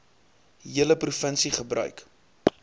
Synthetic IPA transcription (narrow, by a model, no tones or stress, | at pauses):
ɦiələprufənsiχəbrœ̰ɥk